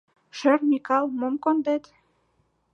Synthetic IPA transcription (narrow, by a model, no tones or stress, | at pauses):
ʃermikɑlˠmomkond̪et̪